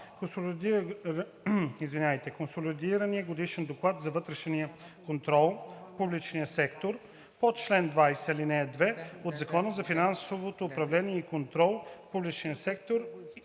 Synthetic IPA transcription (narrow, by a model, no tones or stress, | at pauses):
kos | izvinʲajt̪ɛkonsolid̪iɾəniəɡod̪iʃɛnd̪oklˠat̪zɐvɤt̪ɾɛʃniə | kont̪ɾɔlˠfpublit͡ʃnijəsɛkt̪oɾ | pot͡ʃlɛnd̪vajsɛlinɛd̪vɛod̪zɐkɔnəzɐfinansovot̪oːpɾɐvlɛniɛikont̪ɾɔlˠfpublit͡ʃnijəsɛkt̪oɾ